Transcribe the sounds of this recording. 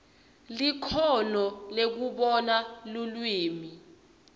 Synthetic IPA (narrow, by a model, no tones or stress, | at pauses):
likʰɔnɔlek̬uɓɔnalulwiːmi